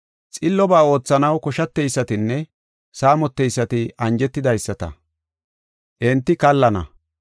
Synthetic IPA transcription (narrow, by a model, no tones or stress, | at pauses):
t͡sʼɪlːɔbaːo̞ːt͡sːɐnɐwkɔʃɐt̪ːɛjsːɐt̪ɪnːɛ | saːmɔt̪ːɛjsːɐt̪ɪʔɐnd͡ʒɛt̪ːɪd̪ɐjsːɐt̪ɐ̰ | ʔɛnt̪ːɪkɐlːɐnɐ̰